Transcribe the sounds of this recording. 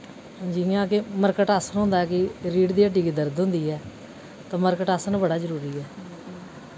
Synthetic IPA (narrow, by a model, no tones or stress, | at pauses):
d͡ʒiːãːkɪməɾkəʈaːsənɦʊ̃nd̪aːɛːkɪɾiːɖd̪iːəʈːiːkiːd̪əɾd̪ɦʊ̃nd̪iːɛː | t̪ãːməɾkəʈaːsənbəɽaːzəɾuːɾiːɛː